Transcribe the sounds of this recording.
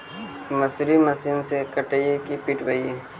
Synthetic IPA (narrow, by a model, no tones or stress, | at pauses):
mɐsuɾimɐsiːnsekəʈəikipiʈɡɐi